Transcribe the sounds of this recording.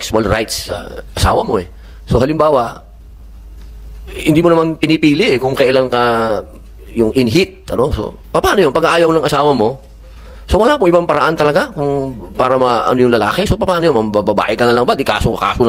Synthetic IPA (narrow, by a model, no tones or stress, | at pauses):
ɛksʊwɐlɾajt̪sɐ̰ʔɐsa̰ːwɐmo̞ʔɛ | so̞ɦɐlɪmbaːwɐʔ | hɪnd̪iːmonɐmanpɪnɪpiːlɪʔɛkʊŋkɐʔɪlaŋkɐ | jʊŋʔɪnɦɪt̪̚ːɐ̰noŋso̰ | pɐpaːnojonpɐɡɐʔaːjowmnɐŋʔɐsaːwɐmo̞ | sowɐlaːpʊŋʔɪbampɐɾɐʔant̪ɐlɐɡakʊŋpaːɾɐmɐʔɐ̰nojʊŋlɐla̰ːkɛsopɐpaːnojonmɐmbɐbɐba̰ːʔɪkɐnɐlɐŋbaɡ̪ɪka̰ːsokɐka̰ːson